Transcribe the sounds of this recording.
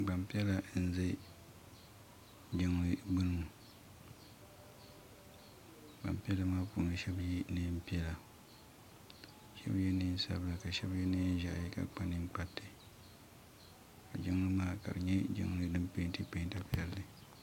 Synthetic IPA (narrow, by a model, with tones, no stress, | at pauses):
ɡ͡ba˨mpi˦ɛ˦la˦n̩˦za˦ | d͡ʒɪ˦ŋ˨lɨ˦bɨ˦nɨ˦mu˨ | k͡pa̰˨m˨pi˦ɛ˦la˦maː˦pṵ˨nɨ˨ʃɛ˦bji˦nɨ˦m̩˦pi˦ɛ˦la˨ | ʃɛ̰˦bjɛ˦nɨ˦sa̰˦bɨ˦la˨ka˨ʃɛ˦bjɛ˦nɨ˦ʒa̰˦˨ʔji˦ka̰˨k͡pa˦nɨ˦ŋ͡mk͡pa˦tːɨ˨ | ka̰˨d͡ʒɪ˦ŋ˦lɨ˦maː˦ka̰˨ɾɨ˨ɲɛ˦d͡ʒɪ̰˦ŋ˦lɨ˦dɨ˦mpe˦ntɨ˦pe˦nta˦pi˦ɛ˦lːɨ˨